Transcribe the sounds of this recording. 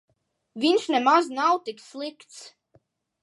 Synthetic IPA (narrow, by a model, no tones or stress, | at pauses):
vʲinʃnɛmaznawt̪ikslˠikt̪s